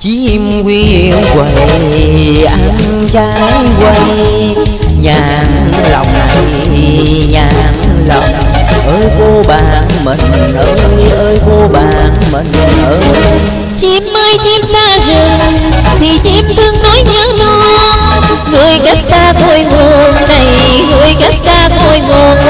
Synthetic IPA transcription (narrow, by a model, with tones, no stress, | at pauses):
t͡ɕi˧˦ | mki˧ənkwə˧˩j | ʔa˧˩˦ŋŋ | t͡ɕaː˧˨˦kwa˧j | ɲaː˨˩ | lɔ̰˨˩wŋ͡mna˨˩j | ɲaː˨˩ʔmlɔ˨˩wŋ͡m | ʔəː˧˦jko˧ɓaː˨˩nmḭ˨˩ŋ̟ʔəː˧˦ʔəː˧jko˧ɓaː˨˩nmi˨˩ŋ̟ʔəː˧˦ | t͡ɕi˧˥mːəː˧jt͡ɕi˧msaː˧zɨ˨˩ŋt̪ʰi˨˩t͡ɕi˧˥mt̪ʰɨ˧əŋnɔ˨˦jɲəː˨˦nɔ˧ | ŋɨ˨˩əjka˦˥k̚saː˧t̪o˧˩jŋo˨˩nna˨˩j | ŋɨ˧˨˩əjka˦˥k̚saː˧t̪o˧˩jŋo˨˩n